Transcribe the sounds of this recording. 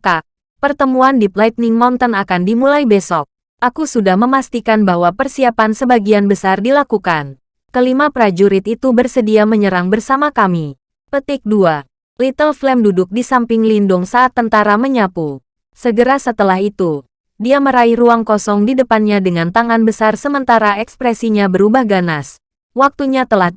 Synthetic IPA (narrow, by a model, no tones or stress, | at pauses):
kak̚ | pərt̪əmuandiplajt̪̚nɪŋmɔnt̪ənakandimulaibɛsɔk̚ | ʔakusudahməmast̪ikanbahwapərsiapansəbaɡianbəsardilakukan | kəlimapɾad͡ʒuɾɪt̪̚it̪ubərsədiaməɲəɾaŋbərsamakami | pət̪ɪk̚dua | lit̪əlflɛmdudʊk̚disampɪŋlindʊŋsaʔːt̪ːənt̪aɾaməɲapu | səɡəɾasət̪əlahit̪u | diaməɾaihruaŋkɔsɔŋdidəpanɲadəŋant̪aŋanbəsarsəmənt̪aɾaɛkspɾɛsiɲabəɾubahɡanas | wak̚t̪uɲat̪əlah